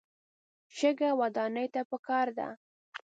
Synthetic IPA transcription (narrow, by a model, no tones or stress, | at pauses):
ʃəɡawad̪ɑnəjt̪apəkɑɾd̪a̰